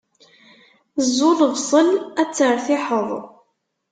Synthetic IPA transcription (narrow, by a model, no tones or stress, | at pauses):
əzːʊlvsˤəlæt͡sːəɾˤθɪħəðˤ